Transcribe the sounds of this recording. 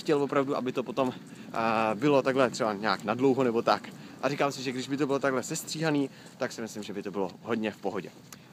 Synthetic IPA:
xcɛlvo̞pɾavduʔa̰bɪt̪opo̞t̪o̞m | bɪlo̞t̪aɡɦlɛt̪r̝̥ɛbaɲa̰ːknadlo̞wɦonɛbo̞t̪akʔaɾiːkaːmsɪʒɛɡdɪʒbɪt̪o̞bɪlot̪aɡlɛsɛst̪r̥iːɦaniː | t̪aksɪmɪslɪmʒɛbɪt̪o̞bɪloɦo̞dɲɛfpo̞ɦo̞ɟɛ̰

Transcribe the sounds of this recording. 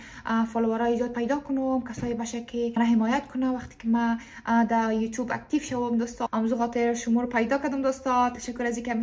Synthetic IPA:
fɔluwaɾɔid͡ʒɔd̪̚pajd̪ɔkʊnomkasɔjebaʃakʰeɾaɦɪmɔjat̪̚kʰʊnawaxt̪ɪ̥kɪma | d̪ajut̪juba̰k̚t̪ifʃawʊmd̪ɔst̪ɔamzuxɔt̪ɪɾʃʊmuɾpajd̪ɔkad̪ʊmd̪ɔst̪ɔt̪ḁʃakːʊɾazikeam

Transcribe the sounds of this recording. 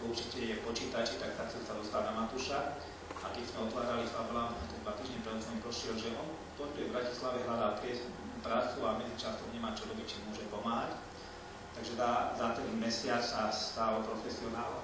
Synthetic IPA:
uɾt͡ʃicɛjɛpɔt͡ʃiːt̪at͡ʃit̪ak̚t̪akt͡sɛlsad̪ɔst̪ad̪namat̪uʃa | akɛczmɛɔt̪ʋaːɾalifablaːnt̪ɔt̪ɔd̪ʋat̪iːʒɲɛpɾɛt͡sɔmipɾɔʃɪɛlʒɛʔɔn | t̪ɔnbɛvbɾaci̥slaʋɛɦlad̪alp̪ɾɪɛs | upɾaːt͡suamɛd͡zit͡ʃast̪ɔmɲɛmaːt͡ʃɔɾɔbic̚t͡ʃimʊɔʒɛpɔmaːɦac | t̪aɡʒɛt̪aːzat̪ɛmɛsɪat͡ssast̪aːlɔpɾɔfɛsiɔnaːl

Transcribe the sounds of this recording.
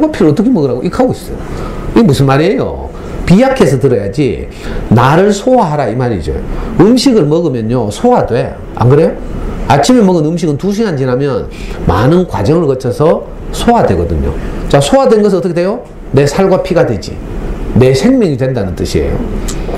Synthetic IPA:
aɭɡwapʰiɾɯɭʌt͈ʌkʰemʌɡɯɾaɡoʔikʰaɡoɕi̥s͈ʌjoiɡemusʰɯnmaɾiejo̰ | pijakʰe̞sʰʌtɯɾʌja̰d͡ʑḭ | naɾɯɭsʰoaɦaɾaimaɾḭd͡ʑo̰joɯmɕʰiɡɯɭmʌɡɯmjʌɲosʰoadwe | ʔa̰nɡɯɾe̞jo | at͡ɕʰimemʌɡɯnɯmɕ̬ʰiɡɯntuɕ̬ʰiɦand͡ʑinamjʌn | ma̰nɯnkwa̰d͡ʑʌŋɯɭkʌt͡ɕʰʌsʰʌ | sʰoadwe̞ɡʌdɯɲo̰t͡ɕasʰoadwe̞nɡʌs̬ɯɭʌt͈ʌkʰedejo | ne̞sʰaɭɡwapʰiɡadwe̞d͡ʑḭ | ne̞sʰe̞ŋmjʌŋidwe̞ndanɯnt͈ɯɕʰiḛjo̰

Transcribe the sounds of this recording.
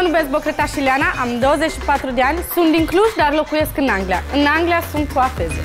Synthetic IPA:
ənubesbəkɾet̪aɕiljanaʔamd̪owəzet͡ɕɕipat̪ɾud̪eanʲsũnd̪iŋkʰlusd̪aɾlokujeskɨnaŋɡlʲja̰ɨnaŋɡljasũnt̪uafez

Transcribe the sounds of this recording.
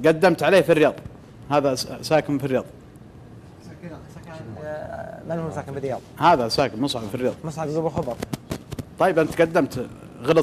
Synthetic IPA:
ɡad̪ːamt̪ʕaleːhfirːɪjɑːðˤ | haːðasaːkɪmfirːɪjɑːðˤ | manhusaːkɪmfɪrɪjɑːðˤɑhaːðasaːkɪmʊsˤʕabfirjɑːðˤmʊsˤʕɑbɡubɪlxɑbɑɾˤ | t̪ˤːɑjːɪbʔɪnt̪ɡad̪ːamt̪ | ɣɑlɑ

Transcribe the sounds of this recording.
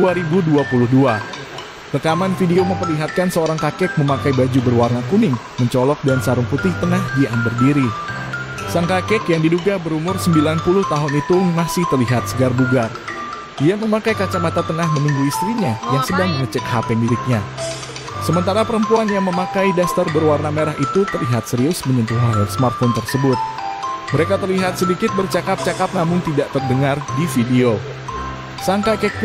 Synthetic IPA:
uaɾibuduapulʊhdua | rəkamanfideoməmpərliɦat̪̚kansəoɾaŋkakɛk̚məmakajbad͡ʒubərwarnakunɪŋ | məɲt͡ʃɔlɔk̚dansaɾʊŋput̪ɪht̪ənahdiʔambərdiɾi | saŋkakɛkjaŋdiduɡabəɾumʊrsəmbilanpulʊht̪aɦʊnit̪umasɪht̪ərliɦat̪̚səɡarduɡar | ijaməmakajkat͡ʃamat̪at̪əŋahmənuŋɡuist̪ɾiɲajaŋsəbaŋməŋət͡ʃəkhapemiɾɪk̪̚ɲa | səmənt̪aɾapəɾəmpuanjaŋməmakajdast̪ərbərwarnameɾaɦit̪ut̪ərliɦat̪̚səɾiʊlsməɲənt̪uɦasəmart̪̚font̪ərsəbʊt̪̚məɾekat̪ərliɦat̪̚sədikɪt̪̚bərt͡ʃakap̚t͡ʃakap̚namʊŋt̪idaʔt̪ərdəŋardifideo | saŋkakɛk̚

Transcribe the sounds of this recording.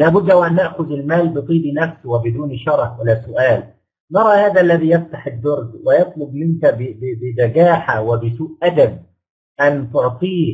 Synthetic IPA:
læːbʊd̪ːʔawʔænːaʔxʊðɪlmaːlbɨt̪ˤiːbinafswɪbɪd̪uːnʃɑɾˤɑħwɪlːaːsʊʔaːl | nɑɾˤɑːhaːðæaʔalːæðiːjaft̪aħɪd̪ːʊɾd̪wɪjɑt̪ˤlʊb̚mɪnkabɪbɪbɪnæɡaːħawɪbɪsuːʔʔad̪ab̚ | ʔant̪ʊʕt̪ˤiː

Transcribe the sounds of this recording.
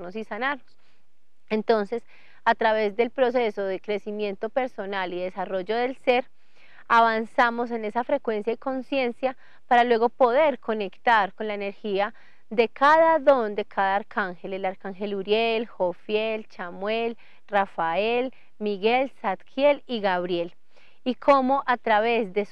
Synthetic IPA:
nosisanaɾnos | ent̪o̞nse̞s | at̪ɾaβe̞zd̪e̞lpɾo̞se̞so̞ðe̞kɾe̞simje̞nt̪o̞pe̞ɾso̞naliðe̞saro̞ʝo̞ðe̞lse̞ɾ | aβansamo̞s̬e̞ne̞safɾe̞kwe̞nsjaiko̞nsje̞nsja | paɾalwe̞ɣo̞po̞ðe̞ɾkʰo̞ne̞kt̪aɾkonlaene̞ɾxia | ðd̪e̞kʰaðaðo̞nd̪e̞kʰaðaːɾkʰaŋxe̞lelaɾkaŋxe̞luɾjelxofjelt͡ʃamwel | rafael | miɣe̞lsat̪kʰje̞liɣaβɾje̞l | ikʰo̞mo̞ʔat̪ɾaβe̞zd̪e

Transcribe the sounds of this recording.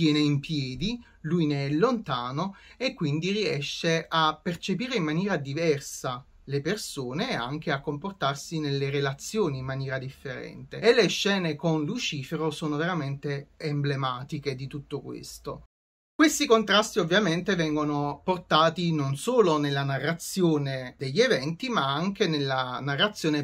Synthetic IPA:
t̪jɛːneimpjɛːd̪i | lujneɛlːont̪aːnoekːwind̪iriɛʃːeʔapːert͡ʃepiːɾeimːanjɛːɾad̪ivɛrsa | lepersoːnea̰ŋk̟eakːomport̪arsinelːeɾelat̪sːjoːniːmːanjɛːɾad̪ifːeɾɛ̰nt̪eːlːeʃːɛːnekonlut͡ʃiːfeɾosoːnoveɾament̪eːmblemaːt̪iked̪it̪ut̪ːokwḛst̪o | kwest̪ikont̪ɾast̪iovːjament̪evɛŋɡonoport̪aːt̪inonsoːlonelːanarːat̪sːjoːned̪eʎːevɛnt̪imaaŋk̟enelːanarːat̪sːjoːne

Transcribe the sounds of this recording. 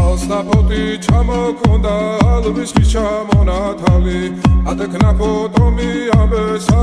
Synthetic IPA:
alst̪apʰɔt̪ʰit͡ʃʰamɔkʰɔnd̪aɦalviskit͡ʃʰamɔnat̪ʰaliat̪ʰakʰnapʰɔt̪ʼɔmiabɛsa

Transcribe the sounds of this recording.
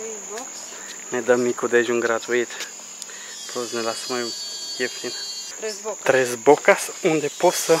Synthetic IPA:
ned̪əmikud̪eʒũŋɡɾat̪uit̪ | pluznelasmajukiefsinə̥ | t̪ɾezbokasũnd̪eposə

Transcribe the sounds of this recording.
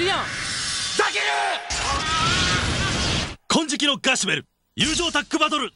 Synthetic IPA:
ɾijo | d̪akeɾɯ | kʰõɲ̟d͡ʑikʲino̞ɡaɕibe̞ɾɯ̟ | jɯːʑo̞ːt̪akːɯ̟bad̪oɾɯ̟

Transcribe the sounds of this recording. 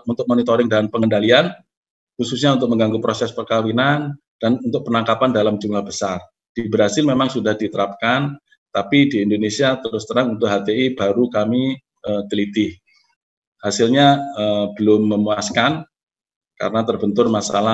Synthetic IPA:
unt̪ʊk̚monit̪oɾɪŋdanpəŋəndalian | xususɲaunt̪̬ʊk̚məŋɡaŋɡupɾosɛspərkawinan | d̥anunt̪ʊk̚pənaŋkapandalamd͡ʒumlahbəsar | d̥ibɾasɪlmemaŋsudahdit̪əɾap̚kan | t̪apidiːndonesiat̪əɾʊst̪ənaŋunt̪ʊkɦat̪eibaɾukami | ət̪əlit̪ɪh | hasɪlɲaəb̥əlʊmːəmuaskan | ka̰ɾənat̪ərbənt̪ʊrmasa̰la

